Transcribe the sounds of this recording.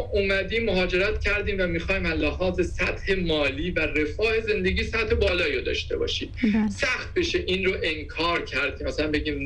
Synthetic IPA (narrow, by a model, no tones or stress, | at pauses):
umæd̪iːmːoɦɒːd͡ʒe̞ɾæt̪cʰæɾd̪iːmvæmixɒːiːmællːæɦɒːze̞sæt̪he̞mɒːliːvære̞fɒːhe̞ze̞nd̪e̞ɟiːsæt̪he̞bɒːlɒːjɾod̪ɒ̰ːʃt̪e̞̰bɒ̰ːʃiːmsæxt̪̚be̞ʃe̞ʔiːnɾoʔe̞ŋkʰɒːɾcʰæɾd̪̥̚cʰemæsælænbe̞ɟiːmn